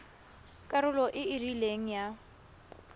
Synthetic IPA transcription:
kʼaɾʊlɔʔɪɪrileŋ̩ja

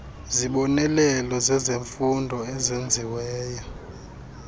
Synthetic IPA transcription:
ziɓɔnɛlɛlɔzɛzeɱfundʱɔɛzend͡zʱiwɛːjɔ

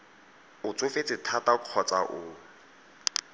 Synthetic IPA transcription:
ʊt͡sʼʊŋfet͡sʼɪtʰataq͡χʰɔt͡sʼa̰ʔʊ

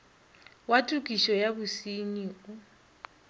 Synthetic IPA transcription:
watʼukʼiʃɔjaβusiniʊ

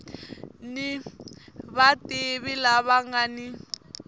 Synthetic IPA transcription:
ni | βatɪβilaβaŋani

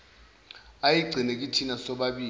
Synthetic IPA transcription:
ajiɡ͡ǀʱinek̬ʼitʰinasɔɓaɓiː

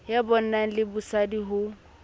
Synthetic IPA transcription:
jabɔn̩naŋ̩lɪbusadiɦʊ

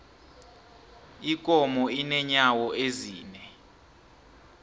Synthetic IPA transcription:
ikʼɔmɔinɛɲawɔʔeziːnɛ

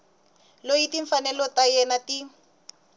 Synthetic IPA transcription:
lojitiɱfanɛlɔtajɛnati

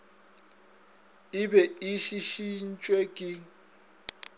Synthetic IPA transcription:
ɪbɛɪʃiʃin̩t͡ʃʼwekʼɪ

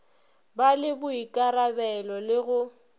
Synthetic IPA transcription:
balɪbʊikʼaɾabɛlɔlɪɣʊ

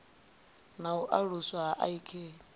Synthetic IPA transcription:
nauʔaɺuswaɦaʔa̰ikʰeː

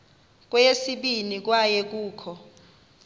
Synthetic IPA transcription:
k̬ʼwɛjesiɓinik̬wajɛk̬uːkʰɔ

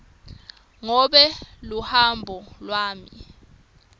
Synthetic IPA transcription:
ŋɔɓɛluhambʱɔlwaːmi

